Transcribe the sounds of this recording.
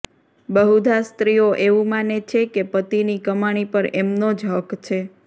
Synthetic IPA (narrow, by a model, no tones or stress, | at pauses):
bəɦud̪ʱast̪ɾijoʔeʋũmanet͡ʃʰekepət̪inikəmaɽ̃ipəɾemnod͡ʒɦəkt͡ʃʰe